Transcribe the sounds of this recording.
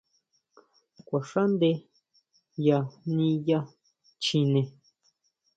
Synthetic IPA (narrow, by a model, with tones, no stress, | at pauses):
kʷa˨ʂa˦nd̪e˧ | ja˧nĩ˧ja˦ | t͡ʃĩ˧nẽ˧